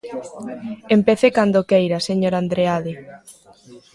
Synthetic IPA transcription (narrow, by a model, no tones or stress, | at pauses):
empeθekand̪okejɾaseɲoɾand̪ɾeaðe